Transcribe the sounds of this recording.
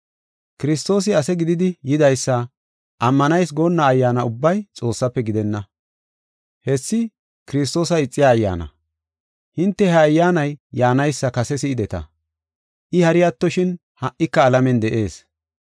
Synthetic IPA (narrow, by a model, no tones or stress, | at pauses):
kɪɾɪs̬t̪o̞ːs̬ɪɐsɛɡɪd̪ɪd̪ɪjɪd̪ɐjsːɐ | ʔɐmːɐnɐjs̬ɡoːnːaːjːaːnɐʊbːɐjt͡sʼo̞ːsːɐpːɛɡɪd̪ɛnːɐ | hɛsːɪ | kɪɾɪs̬t̪o̞ːs̬ɐɪt͡sʼːɪjaːjːa̰ːnɐ̰ | hɪnt̪ːɛhɐːjːaːnɐjjaːnɐjsːɐkɐsɛsɪːd̪ɛt̪ɐ̰ | ʔɪhɐɾɪjat̪ːɔʃɪn | hɐʔːɪkːɐːlɐmɛnd̪ɛʔeːs